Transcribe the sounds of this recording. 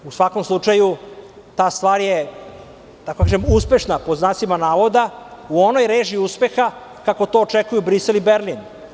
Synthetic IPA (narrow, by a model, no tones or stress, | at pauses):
usʋako̞mslˠut͡ʃaju | t̪aːst̪ʋaːɾje | t̪akokaːʒemuspe̞ʃnapo̞znasimanaːʋo̞d̪auono̞jɾeːʒiuspe̞xa | kako̞t̪o̞ːt͡ʃekujubɾise̞libeɾlin